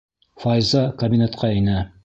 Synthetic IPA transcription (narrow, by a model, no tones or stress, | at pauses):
fɑjzɑkɐbʲinʲet̪qʰɑɘnæ